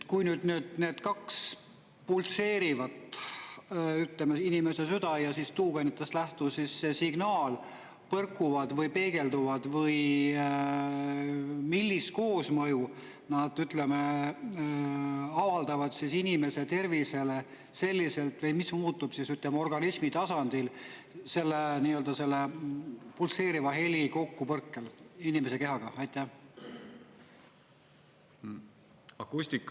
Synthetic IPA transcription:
kujnyːd̪nyd̪̥̚ne̞ːd̪̥kɑks | pulse̞ːɾivɑt̪ | yt̪lemeinime̞se̞syd̪ɑjɑsist̪uːɡ̥enit̪ːˑeslæht̪usisːe̞siɡ̥nɑːl | pɤrkːˑuvɑd̪vɤjpe̞ːɡ̥e̞ld̪uvɑd̪̥vɤj | milʲːis̚ko̞ːsmɤju | nɑd̪̥yt̪ˑle̞me | ɑvɑld̪̥ɑvɑd̪̥sisinime̞se̞t̪e̞rvise̞le | se̞lʲːise̞lt̪vɤjmismuːt̪ːˑub̥sisyt̪ˑlemeo̞rɡ̥ɑnismit̪ɑsɑnd̪̥il | se̞lːeniːø̞ld̪̥ɑse̞lːepulse̞ːɾivɑɦe̞lʲiko̞kːupɤrkːelinime̞se̞ke̞ɦɑɡ̥ɑɑjt̪ːˑæ | ɑkːust̪ikːˑ

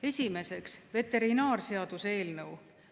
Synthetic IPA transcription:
e̞sʲime̞se̞ksve̞t̪e̞ɾinɑːrse̞ɑd̪̥use̞ːlnɤw

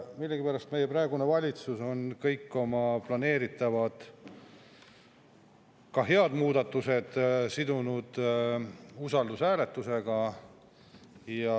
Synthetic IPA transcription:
milːeɡ̥ipæɾɑst̪me̞jeprɑeɡune̞vɑlʲit̪suso̞nkɤjkːo̞mɑplɑne̞ːɾit̪ːˑɑvɑd̪̥ | kɑɦe̞ɑd̪̥muːd̪̥ɑt̪ːˑuse̞d̪̥sid̪unud̪̥ | usɑld̪usæːle̞t̪ːˑuse̞ɡ̥ɑ | jɑ

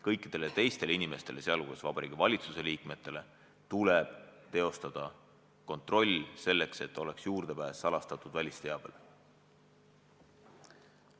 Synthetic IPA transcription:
kɤjkːˑid̪̥e̞le̞t̪e̞jst̪e̞linime̞st̪e̞le̞seɑlɡ̥uesvɑb̥ɑɾḭːɡ̥ivɑlʲit̪suse̞liːkme̞t̪ːˑe̞le̞ | t̪uleb̥t̪e̞o̞st̪ɑd̪̥ɑ | ko̞nt̪ro̞lʲːse̞lːe̞kse̞t̪ːˑo̞le̞ksjuːrd̪̥e̞pæːsːɑlɑst̪ɑt̪ːˑud̪̥vælʲist̪eɑb̥e̞̰l

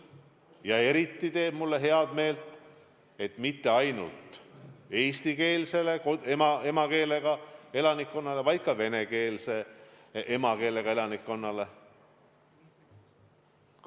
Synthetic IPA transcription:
jɑe̞ɾit̪ːit̪e̞ːb̥mulːe̞ɦe̞ɑd̪̥me̞ːlt̪ | e̞t̪mit̪ːe̞ɑjnṵlt̪e̞ːst̪ike̞ːlse̞le̞koemɑe̞mɑke̞ːle̞ɡ̥ɑe̞lɑnikːo̞nːɑle̞vɑjd̪̥̚kɑve̞ne̞ke̞ːlse̞ | e̞mɑke̞ːle̞ɡ̥ɑe̞lɑnikːo̞nːɑle̞

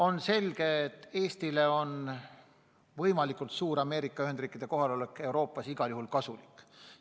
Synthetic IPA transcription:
o̞nse̞lɡ̥e̞ːt̪ːe̞ːst̪ile̞o̞n | vɤjmɑlikːˑult̪suːɾɑme̞ːɾikːˑɑyhe̞nd̪riːkːˑid̪̥e̞ko̞ɦɑlo̞lekːˑe̞wɾo̞ːpːˑɑsiɡ̥ɑljuhulkɑsulikːˑ

